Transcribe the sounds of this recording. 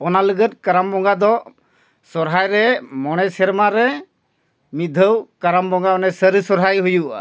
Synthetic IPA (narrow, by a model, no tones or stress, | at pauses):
ɔnaləɡət̪̚kaɾambɔŋɡad̪ɔ | sɔɾɦajɾɛmɔɽ̃ɛsɛɾmaɾɛ | mid̪ʱəwkaɾambɔŋɡaɔnasəɾisɔɾɦajɦujuʔa̰